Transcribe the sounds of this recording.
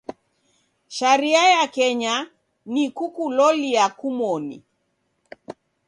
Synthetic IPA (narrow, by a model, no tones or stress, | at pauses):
ʃaɾiajakɛɲa | nikukulɔliakumɔnḭ